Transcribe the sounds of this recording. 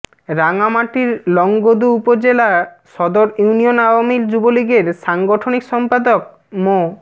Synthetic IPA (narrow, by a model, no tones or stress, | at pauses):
ɾaŋamaʈiɾlɔŋɡod̪uupod͡ʑela | ʃɔd̪oɾjunionaoamild͡ʑuboliɡeɾʃaŋɡoʈʰonikʃɔmpad̪ok̚ | mo